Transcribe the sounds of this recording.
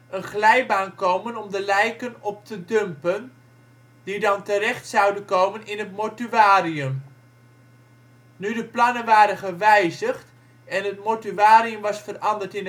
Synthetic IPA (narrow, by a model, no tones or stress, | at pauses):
ʔənχlɛjbaːnkowmənɔmdəlɛjkənɔp̚tədɵmpən | didɑntərɛχtsɑwdənkowmənɪnɦətmotyʋaːriəm | nydəplɑnənʋaːɾənχəʋɛjzəχt | ɛnɦətmotyʋaːɾiəmʋɑsfərɑndəɹtɪn